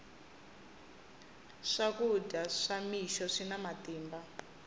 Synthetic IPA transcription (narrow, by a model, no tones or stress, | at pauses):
ʂakudʱaʂamiʃɔʂinamatiːmba